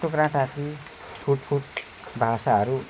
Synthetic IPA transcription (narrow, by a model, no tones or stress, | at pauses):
okrãʈat̪i | t͡sʰuʈfʰuʈ | bʱasaɦʌɾu